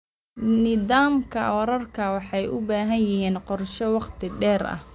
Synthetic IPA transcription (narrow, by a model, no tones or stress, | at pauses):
nɪðaːmkʰɐɔːɾɐrkʰɐwɑħɑjʔʊbaːɦɐnjɪɦiːnqɔrʃɔwɑqt̪ʰɪɖɛːrɐ̰h